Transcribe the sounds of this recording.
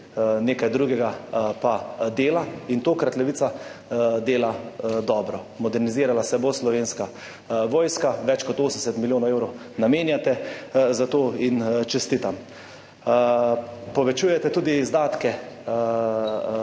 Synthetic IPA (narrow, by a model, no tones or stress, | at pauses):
neːkajd̪ɾuɡɛɡapad̪eːlaint̪oːkɾat̪lɛʋiːsa | d̪eːlad̪ɔːbɾɔ | mɔd̪ɛɾniziːɾalasɛboslɔʋeːnska | ʋɔːjskaʋɛt͡ʃkɔt̪oːsənsɛt̪miljoːnɔwewɾɔw | nameːnjat̪ɛzat̪oːint͡ʃɛst̪iːt̪am | pɔʋɛt͡ʃuːjɛt̪ɛt̪uːd̪izd̪aːt̪kɛ